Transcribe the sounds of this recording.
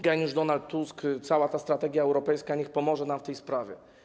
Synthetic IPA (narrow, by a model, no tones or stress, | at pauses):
ɡɛnʲiʐd̪ɔnalt̪ːuskt̪sawat̪ast̪ɾat̪ɛɡʲjaɛwɾɔpɛjskaɲixpɔmɔʐɛnamft̪ɛjspɾavʲjɛ̰